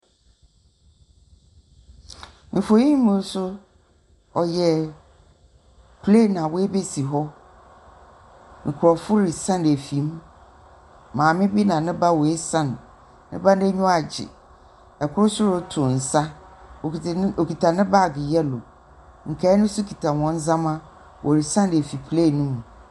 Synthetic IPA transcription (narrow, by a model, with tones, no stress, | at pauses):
m̩˨fo˨jĩ˦mʊ̃˨˦sʊ˦ | ɔ˨jɛ˨ | pʰle˦˨nã˨wɔ˦e˦be˦si˨ɦɔ˦ | ŋ̩˨kʰʊ˨ɾɔ˨fʊ˦ɾɪ˨sã˦n˨æ˨fi˨˦m˦ | mãː˨mɪ̃˦bi˦nã˨nɪ̃˦ba˦wɔ˨e˦sã˦˨nː | ɪ̃˦ba˦n˦ɛ˦ɲʊ̃˦a˨d͡ʑɪ̰˨ | ɛ˨kʰʊ˦ɾʊ˦sʊ˦ɾʊ˦tʰʊ̃˨n̩˨sa˦o˨˦o˨kʰi˨tʰa˨nɪ̃˦ba˦˨ɡɪ˨jɛ˦lo̰˨ | ŋ̩˨kʰa˨˦nʊ̃˦sʊ˦kʰi˨tʰa˨wɔ̃˦n˦zã˦mã˦ | wʔɔ˨ɾi˨sã˦ndæ˨fi˨pʰle˦˨nũ˦mũ˨